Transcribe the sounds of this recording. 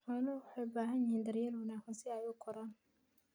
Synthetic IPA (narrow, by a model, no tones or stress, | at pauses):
ħɔːlɐwɑħɑjʊbaːɦɐnjɪhiːnd̪ɐrjaːlwɐnaːkɐnsɪɛjʊkʰɔɾaːn